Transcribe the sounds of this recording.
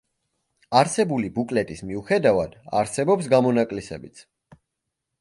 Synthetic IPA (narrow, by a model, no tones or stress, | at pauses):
aɾsɛbulibukʼlɛt̪ʼismiuχɛd̪avad̪̥a̰ɾsɛbɔpsɡamɔnakʼlisɛ̰bit̪sʰ